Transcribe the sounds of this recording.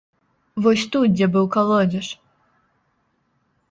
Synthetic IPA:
vɔsʲt̪ut̪̚d͡zʲɛbɨwkalˠɔd͡zʲɛʂ

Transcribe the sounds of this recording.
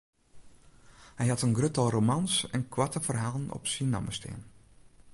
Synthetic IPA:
hɛjɦatənɡrøtɔlˠromɑnsɛnkʰwatəvərɦaːlˠənɔ̰psinɔ̰məstʰɪ̰ːən

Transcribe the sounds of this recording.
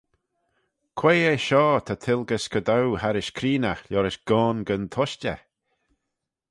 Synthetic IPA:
kʰw̥eːeʃɔːt̪ʰat̪ʰɪlˠɡəskəd̪awhaɾɪʃkʰɾiːnaxljɔɾɪʃɡ̥ɔːnɡənt̪ʰɔʃtə̰

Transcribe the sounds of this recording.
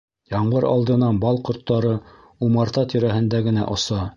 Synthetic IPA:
jɑɴɢɤɾɑ̰lˠd̪ɤ̆nɑnbɑlˠqŏɾt̪ːɑɾɤ | umɑɾt̪ɑt̪ʰiɾæɦɘ̆nd̪æɡɘ̆næ̰ʔŏsɑ

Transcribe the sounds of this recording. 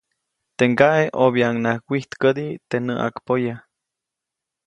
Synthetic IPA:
t̪eŋɡaʔeʔoβjaŋnahwʷiht̪kəd̪it̪enəʔa̰kpoja

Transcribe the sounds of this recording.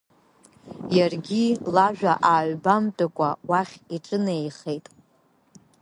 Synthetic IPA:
jarɡʲilaʒᶣaʔaːɥbamtʼakʷʼawaχʲiʈ͡ʂʼɨnejχejtʼ

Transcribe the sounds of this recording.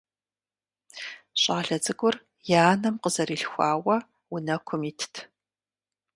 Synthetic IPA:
ɕʼaːɬɐd͡zɨɡʷʼʊr | jaːnɐmqəzɐɾiːɬxʷaːwɐ | wʊnɐkʷʰʊmiːtʰtʰ

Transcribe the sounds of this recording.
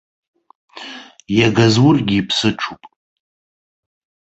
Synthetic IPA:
jaɡazwʊrɡʲiːpʰsɨʈ͡ʂʰupʼ

